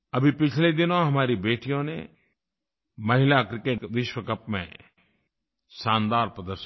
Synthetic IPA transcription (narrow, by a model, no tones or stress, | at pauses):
ɐbʱipɪt͡ʃʰled̪ɪnõɦɐmaːɾibeːʈijõnḛ | mɐɦɪlakɾɪkeːʈʋɪʃwəkɐpmḛ̃ | ʃãːnd̪aːɾpɾəd̪əɾʃ